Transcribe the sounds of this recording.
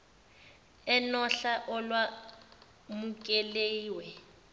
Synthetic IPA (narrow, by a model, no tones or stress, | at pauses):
ɛnɔɬaʔɔlwa | mukʼɛleːwɛ